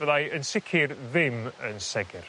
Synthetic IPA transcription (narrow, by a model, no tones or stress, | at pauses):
vɛðajənsɪkʰɪrðɪmənsɛɡɪr